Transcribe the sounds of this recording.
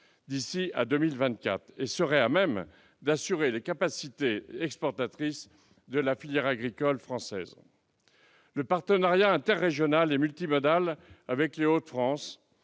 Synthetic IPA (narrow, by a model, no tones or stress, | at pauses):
d̪isia̰d̪ømilvɛ̃t̪̚ka̰t̪χesəʁɛamɛm | d̪asyʁelekapasit̪eɛkspɔʁt̪at̪χis | d̪əlafiljɛʁaɡʁikɔlfχɑ̃sɛ̰z | ləpaʁt̪ənaʁjaɛ̃t̪ɛʁːeʒjɔnalemylt̪imɔd̪alavɛkleot̪fχɑ̃s